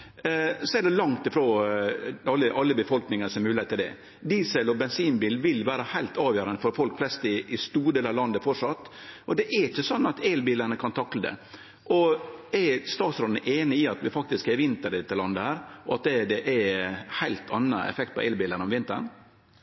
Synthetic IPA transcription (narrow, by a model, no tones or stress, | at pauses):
sɔɛɖɛlɑŋt̪ɪfɾoː | ɑlːəʔɑlːəbəfɔlknɪŋəsɔmɛmʉːlɪeːt̪ʰːɪld̪ɛ̰ | d̪iːsɛlɔbɛnsiːnbiːlʋɪlʋæːɾəhæɪlt̪ɑːʋjøːɾənəfɔɾfɔlkflɛst̪ɪɪst̪uːɖeːlɑʋlɑnd̪əfɔʂɑt̪ː | ʔɔd̪ɛʔɛɾɪçːəsɔnːɑt̪ʰeːlbiːləɳəkʰɑnt̪ʰɑkləd̪ɛ̰ | ʔɔɛst̪ɑːt̪sɾoːd̪nəʔeːnəɪɑt̪ʋɪfɑk̚t̪ɪskɛɾʋɪnt̪əɾɪt̪ʰːɪlɑnd̪əhæːɾɔɑt̪̚d̪ɛd̪ɛʔɛhæɪlt̪ʰɑnːə̰ɛ̰fɛk̚t̪̚pʰɔ̰eːlbiːlənəɔmʋɪnt̪ə̰ɳ